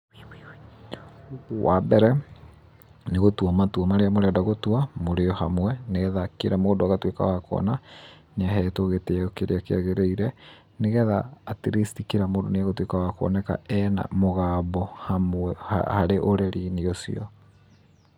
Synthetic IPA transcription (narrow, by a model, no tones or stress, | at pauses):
wabɛɾɛ | neɣotwamatwɔmaɾeamoɾɛadaɣotuamoɾeɔhamwɛneɛðakeɾamoːdoaɣatweka̰wakɔ̰na | naɦɛːtoɣetɛɔkeɾḛakeaɣeɾeiɾɛ | neɣɛðaːteɾestikeɾamoːdoneaɣotwekawakoɔ̰nɛka̰ɛna̰moɣaːbɔhamɛhhaɾeʔoɾeɾineɔsḭɔ